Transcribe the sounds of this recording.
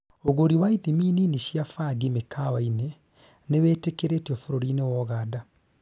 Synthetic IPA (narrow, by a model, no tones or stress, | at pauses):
oɣoɾiwaiðimininiʃiafaɡimekawaine | newɛːtekeɾetiɔfoɾoɾinewɔɣaːda